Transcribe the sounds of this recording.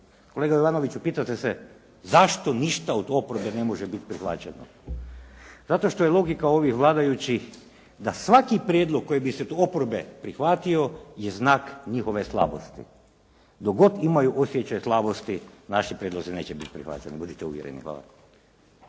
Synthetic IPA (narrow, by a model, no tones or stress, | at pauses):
ko̞leɡajoʋanoʋit͡ɕupiːt̪at̪ese | zaʃt̪o̞niʃt̪aod̪o̞pɾbene̞moʒebit̪pɾixʋa̰t͡ɕeno̰ | zat̪o̞ʃt̪o̞jelˠo̞ɡikao̞ʋixʋlˠaːd̪ajut͡ɕix | d̪asʋakipɾʲjed̪lˠoɡ̚kːo̞jibiset̪opoɾbepɾixʋat̪io̞jeznaːkɲixo̞ʋe̞slˠa̰bo̞st̪ḭ | d̪oɡo̞d̪imajuʔosjet͡ɕajslˠabo̞st̪inaʃipɾjed̪lˠozine̞ːt͡ɕebit̪pɾixʋa̰t͡ʃenibud̪it̪eṵʋjeɾḛnḭxʋa̰ːlˠa̰k